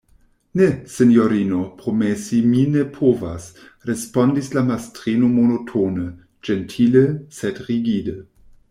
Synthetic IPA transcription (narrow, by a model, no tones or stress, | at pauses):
nesenjoɾinopɾomesiminepʰovas | ɾespondislamastɾinomonotʰonə | d͡ʒentʰiləsedʁiɡidə